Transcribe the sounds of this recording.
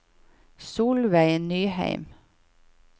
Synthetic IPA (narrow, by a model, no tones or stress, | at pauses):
suːlʋæɪnyːhæ̰ɪm